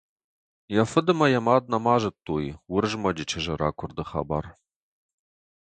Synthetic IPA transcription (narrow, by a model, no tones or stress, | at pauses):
jɐfɨdɨmɐjɐmaːd̪̚nɐmaːʒɨtʰʼːuːjwʊrʒmɐd͡ʒɪt͡ʃʰɪʒɐɾa̰ːkʷʰʊrd̪ɨχɐ̰ba̰ːr